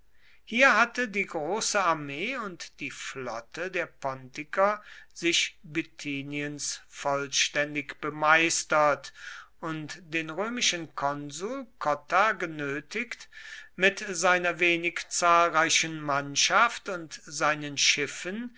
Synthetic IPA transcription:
hiːɐɦatədiːɡʁoːsəaɐmeːʊntd̥iːflɔtʰədeːɐpʰɔntɪkɐz̥ɪʃbytʰiːniənsfɔlʃtɛndɪkb̥əmaɪstɐtʔʊntd̥eːnʁøːmɪʃənkʰɔnzuːlkʰɔtaɡənøːtɪktmɪtzaɪnɐveːnɪkt͡saːlʁaɪʃənmanʃaftʊntz̥aɪnənʃɪfən

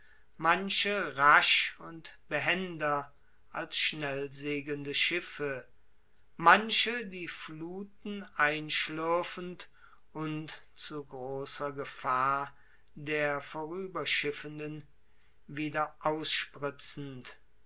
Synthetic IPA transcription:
manʃəʁaʃʊntb̥əɦɛndɐ | ʔalsʃnɛlzeːɡəndəʃɪfə | manʃədiːfluːtn̩ʔaɪnʃlʏɐfən̩t | ʔʊnt | t͡suɡʁoːsɐɡəfaːɐ | deːɐfoʁyːbɐʃɪfəndən | viːdɐʔaʊsʃpʁɪt͡sn̩t

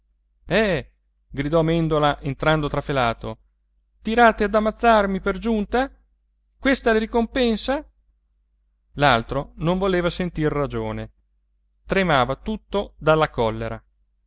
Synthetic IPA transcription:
ɛ | ɡɾid̪ɔmɛnd̪olaʔent̪ɾand̪ot̪ɾafelaːt̪o | t̪iɾaːt̪ead̪amːat̪sːarmiperd͡ʒunt̪a | kwest̪aleɾikompɛnsa | lalt̪ɾonoɱvoleːvasent̪irːad͡ʒoːne | t̪ɾemaːvat̪ut̪ːod̪alːakɔlːeɾa̰

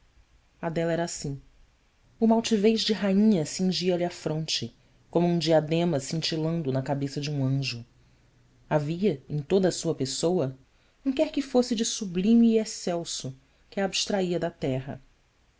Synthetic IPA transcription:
ad̪ɛlɛɾasĩ | ʊmawt͡ʃivejʒd͡ʒɪɦaĩɲɐsĩŋʒiɐliafɾõnt͡ʃɪ | kõmʊũd͡ʒiad̪ẽmɐsĩnt͡ʃilɐ̃nd̪ʊnɐkabesɐd͡ʒɪũɐ̃ʒʊ | aviɐẽj̃t̪od̪ɐsuɐpesowɐ | ũkɛɾkɪfosɪd͡ʒɪsublĩmiːesɛwsʊ | kɪaːbiʃt̪ɾaiɐd̪ɐt̪ɛɦɐ̰

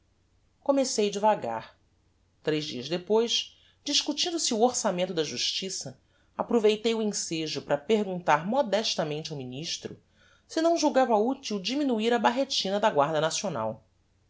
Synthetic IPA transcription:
komesejɐd͡ʒɪvaɡa̰ɾ | t̪ɾejʒd͡ʒḭɐzd̪epojʃ | d͡ʒiʃkut͡ʃĩnd̪ʊsɪuoɾsamẽnt̪ʊd̪ɐʒuʃt͡ʃisɐ | apɾovejt̪ejuẽseʒʊpɾɐpeɾɡũnt̪aɾmɔd̪ɛʃt̪ɐmẽnt͡ʃawminiʃt̪ɾʊ̰ | sɪnɐ̃w̃ʒuwɡavɐut͡ʃiwd͡ʒiminuiɾɐbaɦet͡ʃĩnɐd̪ɐɡwaɾd̪ɐnasiona̰w

